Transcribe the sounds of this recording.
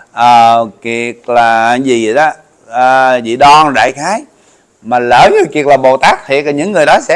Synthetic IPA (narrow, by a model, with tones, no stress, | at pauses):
ʔəː˨˩ki˨˩ək̚laː˨˩˨zi˨˩˨ɗɔ˨˦ | ʔəː˨˩zḭ˧˨ɗɔ˧nɗa̰ː˧˨jxaː˨˦j | maː˨˩ləː˧˩zə˨˦ki˨˩ək̚laː˨˩ɓo˨˩t̪aː˦˥k̚t̪ʰḭ˨˧˩ək̚laː˨˩ɲɨ̰˧˥ŋːɨ˨˩jɗɔ˨˦sɛ̰˧˥